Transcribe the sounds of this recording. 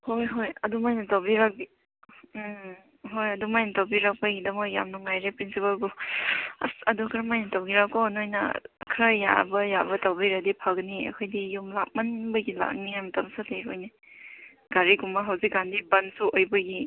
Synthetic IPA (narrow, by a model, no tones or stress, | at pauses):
hojɦojɐdumajnɐtawbiɾak̚bi | ɦojɐdumajnɐtawbiɾak̚pɐɡidɐmoja̰mnɐŋajɾepɾinsipalɡu | ɐ̰sɐdukʰɾamajnɐtawɡiɾak̚kɔnojnɐ̰kʰɾaja̰bɐjabɐtawbiɾak̚dipʰaɡɐniɐ̰kʰojdijumlak̚mɐnbɐɡila̰k̚niajmɐtamsateɾojne | ɡaɾiɡumɐɦawzik̚ɡandibɐnsuʔojbɐɡi